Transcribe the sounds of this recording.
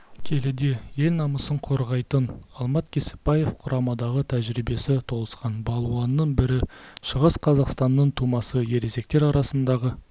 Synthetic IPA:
kʲʰe̞lɪd̪e̞je̞lnɑməsəɴqʰo̞ɾʁɑjt̪ənɑlˠmɑt̪kʲʰe̞sɪ̥p̚bɑje̞fqʰʊɾɑmɑd̪ɑʁət̪ʰæʒɾibe̞sɪt̪ʰo̞lˠəsqɑnbɑlˠuɑnːəɴbɪɾɪʃəʁəsqʰɑzɑqst̪ɑnːəɴt̪ʰumɑsəje̞ɾeze̞k̚t̪e̞ɾɑɾɑsənd̪ɑʁə

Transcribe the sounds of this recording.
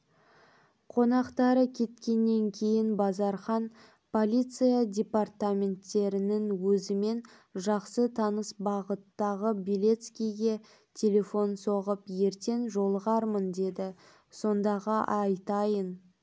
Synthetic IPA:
qʰo̞nɑqt̪ɑɾəkʲʰe̞t̪kʲe̞nːe̞ŋkʲʰe̞jɪnbɑzɑɾχɑn | pʰo̞lʲit̪sɨjadʲe̞part̪amʲe̞nt̪ːe̞ɾɪnɪnwɵzɪme̞n | ʒɑqsət̪ʰɑnəsbɑʁət̪ːɑʁəbilʲe̞t̪skʲijɡʲe̞ | t̪ʲʰe̞lʲe̞fo̞nso̞ʁəpje̞ɾt̪e̞nʒo̞lˠəʁɑɾmənd̪e̞d̪ɪ | so̞nd̪ɑʁɑʔɑjt̪ɑjən

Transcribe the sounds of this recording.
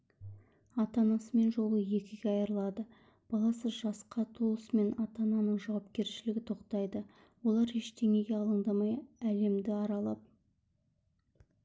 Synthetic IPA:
ɑt̪ɑnɑsəme̞nʒo̞lˠəje̞kʲɪɡʲeɑjɾəlˠɑd̪ə | b̥ɑlˠɑsəzʒɑsqɑt̪ʰoəsme̞nɑt̪ɑnɑnəɴʒɑwɑpkʲe̞ɾʃɪlɪɡʲɪt̪ʰo̞qt̪ɑjd̪ə | wo̞lˠɑɾeʃt̪ʰe̞ŋe̞ɡʲe̞ɑlˠəɴd̪ɑmɑjæle̞md̪ɪɑɾɑlˠɑp̚

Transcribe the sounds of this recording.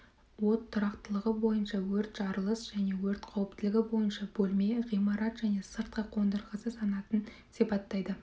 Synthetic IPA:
wo̞t̪ʰːʊɾɑqt̪əlˠəʁəbo̞jənʃɑwɵɾt̪ʒ̥ɑɾəlˠəsʒ̥æne̞wɵɾt̪qʰɑwəp̚t̪ɪlɪɡʲɪbo̞jənʃɑbɵlme̞ʁijmɑɾɑt̪ʒ̥æne̞səɾt̪̚qɑqʰo̞nd̪əɾʁəsəsɑnɑt̪ən | sipɑt̪ːɑjd̪ə

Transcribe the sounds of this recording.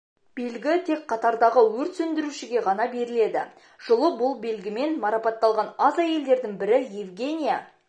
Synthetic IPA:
b̥e̞lɡʲɪt̪ʰe̞kqʰːɑt̪ɑɾd̪ɑʁəwɵɾt̪sɵnd̪ɪɾuʃɪɡʲe̞ʁɑnɑbe̞ɾɪle̞d̪ɪ̰ | ʒ̥ʊlˠəbʊlˠbe̞lɡʲɪme̞nmɑɾɑpɑt̪ːɑlˠʁɑnɑzɑje̞ld̪e̞ɾd̪ɪŋbɪɾɪjevɡʲe̞nʲija

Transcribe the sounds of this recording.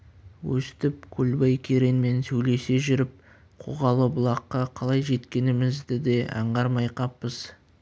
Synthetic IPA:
wɵsɪ̥t̪ɪp̚kʲʰɵlbɑjkʲʰe̞ɾenme̞nsɵjle̞se̞ʒʏɾɪp̚ | qʰo̰ʁɑlˠəbʊlˠɑqːɑqʰɑlˠɑjʒe̞t̪kʲe̞nɪmɪzd̪ɪd̪e̞ʔɑ̰ɴʁɑɾmɑjqɑpːəz̥

